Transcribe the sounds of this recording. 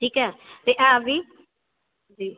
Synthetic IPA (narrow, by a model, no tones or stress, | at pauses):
ʈʰiːkɛːt̪eʔãːʋiː | d͡ʒiː